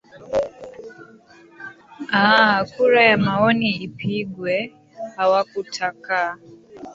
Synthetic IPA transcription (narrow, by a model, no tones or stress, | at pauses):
akuɾajamaɔniipiɡwɛ | hawakutʰaka